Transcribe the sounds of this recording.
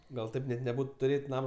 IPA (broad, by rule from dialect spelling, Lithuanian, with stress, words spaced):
ˈɡɐlˠ ˈtɐɪp nʲɛt nʲɛˈbuːt tʊˈrʲeːtʲ ˈnɑːmoː